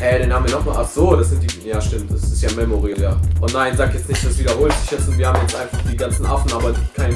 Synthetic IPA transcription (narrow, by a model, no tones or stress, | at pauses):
hɛɾenhaːbmviːɐnɔχmaːlʔaχz̥oːdasz̥ɪntd̥iːjaːʃtɪmt̚d̥asɪstjaːmɛmoʁiːjaːʔʊntnaɪnzaːkjɛt͡stnɪçtd̥asv̥iːdɐhoːltz̥ɪçjɛt͡stʊntviɐhaːmjɛt͡stʔaɪnfaχd̥iːɡant͡sn̩ʔa̰fn̩ʔaːbɐkʰaɪn